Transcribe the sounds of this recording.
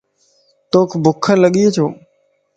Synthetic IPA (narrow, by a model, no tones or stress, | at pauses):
t̪oːkʰbʊkʰələɠieːt͡ʃʰoː